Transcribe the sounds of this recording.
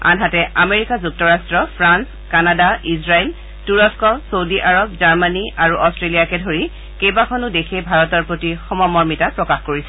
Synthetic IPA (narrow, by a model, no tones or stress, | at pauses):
a̰nɦatɛʔameɹikazuk̚tɔɹastɹɔpʰɹans | kanadaisɹajl | tuɹɔskɔsowdiʔaɹɔbzaɹmaniaɹuʔɔstɹelijakɛdʱoɹi | kejbakʰɔnʊdekʰejbʱaɹɔtɔɹpɹotixɔmɔmɔɹmitapɹɔkaxkoɹisɛ